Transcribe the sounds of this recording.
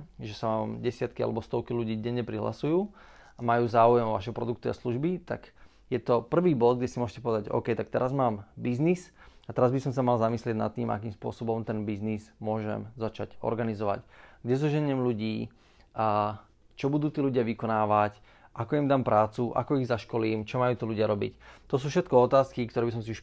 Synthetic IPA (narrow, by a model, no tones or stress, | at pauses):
ʒɛsaʋamɟɛsɪat̪kia̰lɛbɔst̪ɔʊkiluɟiːɟɛɲːɛpɾiɦla̰sujuː | amajuːzaːujɛmɔʋa̰ʃɦɔpɾɔd̪uk̚t̪uasluʒbit̪a̰ɡ | jɛt̪ɔpr̩ʋiːbɔd̪ɡɟɛsimʊɔʒɛcɛpɔʋɛd̪aɟɔ̰ʊkɛjt̪ak̚t̪ɛɾʔazmaːmbiznisat̪ɛɾazbisɔmsamalzamislɪɛɟna̰t̪ːiːmʔa̰kiːmspʊɔ̰sɔbɔmt̪ɛnbiznizmʊɔʒɛ̰mzat͡ʃaɟɔ̰ɾɡanizɔʋa̰cɡɟɛzɔʒɛɲɛmluɟiː | t͡ʃɔbud̪uːt̪iːluɟɪaʋikɔnaːʋac | ʔakɔimd̪aːmpɾaːt͡suʔa̰kɔiɣzaʃkɔliːmt͡ʃɔmajuːt̪ɔluɟɪaɾɔbḭct̪ːɔs̬uːfʃɛt̪kɔɔt̪aːskikt̪ɔɾɛːbis̬ɔms̬iuʃ